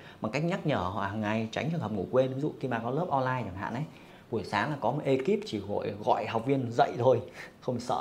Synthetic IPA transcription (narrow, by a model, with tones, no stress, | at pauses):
ma˨˩ka˦˥k̚ɲa˦˥t̚ɲəː˧˩hɔ̰˧˨haː˨˩ŋːa˨˧˩jt͡ɕa˨˦ŋ̟t͡ɕənt̪ʰə˨˩p̚ŋu˧˩kwe˧n˧˨i˨˦zṵ˧˨xi˧maː˨˩kɔ˨˦ləː˦˥p̚ʔɔ˧laː˧jt͡ɕaː˨˧˩ɦa̰ː˧˨nʔə˨˦j | ɓu˧˩əjsaː˨˦ŋlaː˨˩kɔ˨˦mo˨˩t̚ʔe˧ki˦˥p̚t͡ɕi˧˩ɣo̰˧˨jɣɔ̰˧˨jha˨˩wk͡p̚vi˧ənzə̰˧˨jt̪ʰo˧jxə˧wŋ͡msə̰ː˧˨